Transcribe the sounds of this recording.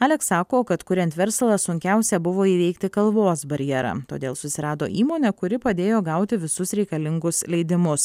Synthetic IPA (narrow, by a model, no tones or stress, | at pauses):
ɑːlʲɛksɑːkoːkɐt̪kʊɾʲɛnt̪ʲʋʲɛɾslˠɑsʊŋʲkʲæʊsʲɛbʊʋoːiːʋʲɛɪkt̪ʲɪkɐlˠʋoːsbɐɾʲjɛɾɑ̰ːt̪o̰ːd̪ʲeːlˠsʊsʲɪɾɑːd̪o̰ːʔiːmoːnʲɛkʊɾʲɪpɐd̪ʲeːjoːɡɐʊt̪ʲɪʋʲɪsʊsɾʲɛɪkɐlʲɪŋɡʊslʲɛɪd̪ʲɪmʊs